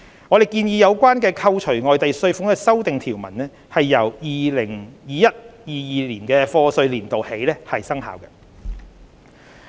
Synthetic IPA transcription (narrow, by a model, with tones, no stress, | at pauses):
ŋɔː˨˧ɾe˨˩jkiː˧njiː˧jɐ˨˧wkʷwaː˥nkɛː˧kʰɐ˧wt͡ʃʰɵ˨˩ɥŋɔː˨jt̪ɐ˨jsɵ˧ɥfʊ˨˥ŋkɛː˧sɐ˥wt̪ɪ˨ŋt̪ʰiː˨˩wmɐ̰˨˩nɛː˥ | hɐ˨jːɐ˨˩wjiː˨lɪ˨˩ŋjiː˨˧jɐ˥t̚jiː˨˧jiː˨˧liː˨˩nkɛː˧fɔː˧sɵ˧ɥliː˨˩nt̪o˨whe˨˥jlɛː˥hɐ˨jsɐ˥ŋɦa̰ː˨˧wkɐ˧